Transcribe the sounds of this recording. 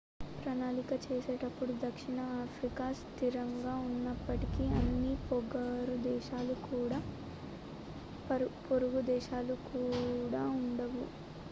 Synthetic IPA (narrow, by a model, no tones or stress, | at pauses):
pɾɐnaːlikɐt͡ʃeːseːʈɐpːuɽud̪ɐkʂiɳɐaːpʰɾikaːst̪iɾɐŋɡaːunːɐpːɐʈikiɐnːipoɡɐɾud̪ɛːʃaːlukuːɽaː | poɾuɡud̪ɛːʃaːlukuːɽaːuɳɖɐʋu